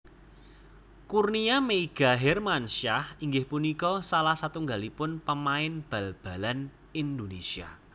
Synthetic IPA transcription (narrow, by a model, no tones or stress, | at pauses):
kurniameiɡ̥a̤ɦɛrmanʃahiŋɡɪhpunikɔsalahsat̪uŋɡalipʊnpəmaɪnb̥ä̤lb̥a̤lan | ind̪onesia̰